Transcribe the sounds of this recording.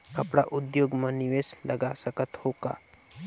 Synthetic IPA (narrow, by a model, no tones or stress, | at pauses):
kɐpɽa̰ʔʊd̪joːɡmɐ̃nɪʋeːslɐɡasəkət̪hoːka̰ː